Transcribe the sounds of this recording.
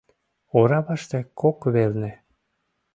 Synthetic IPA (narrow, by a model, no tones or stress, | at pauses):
oɾɑβɑʃt̪ĕkʰokβelnĕ